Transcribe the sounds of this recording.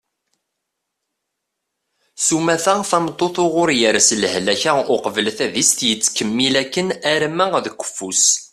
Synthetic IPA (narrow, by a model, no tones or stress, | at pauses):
sumæθæθɑmt̪ˤːoθoʁʊɾjəɾsləhlæçaʊqəvəlθæðist̪jət͡sːkəmːilækːənæɾmæðəkʷːə̥fːus